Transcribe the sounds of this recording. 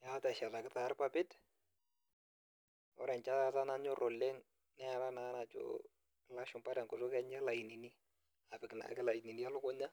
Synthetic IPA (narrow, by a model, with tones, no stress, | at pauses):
ja˨˦ta˨ʃa˨ta˨kɪ˨˦ta˨˦ɾpa˦pɪ˦t | ɔ̰˦ɾɛ˨nt͡ʃa˦a˨ta˦na˦ɲɔ˦ɾʔɔ˨lːe˦ŋ | nɛ˦a˨ɾa˦na˨˦na˨t͡ʃo̰˦ | la˦ʃʊ˨mpa˦da˨ŋkʊ˨so˦kɛ˦ɲa˦la˨ji˨ni˨ni˦ | a˨pɪ˨kna̰˨˦kɪ˦la˨jni˨n˦ja˦lʊ˦kɔ˦ɲa˦